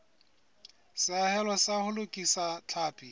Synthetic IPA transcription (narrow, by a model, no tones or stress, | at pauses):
sɪahɛlɔsahʊlʊkʼisat͡ɬʰaːpʼi